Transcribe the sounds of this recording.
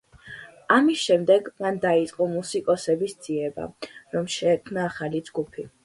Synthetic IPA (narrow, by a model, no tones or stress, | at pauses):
amisʃɛmd̪ɛɡmand̪ait̪sʼqʼɔmusikʼɔsɛbisd̪z̥iɛba̰ɾɔmʃɛːkʰmnaːχalid͡ʒɡupʰi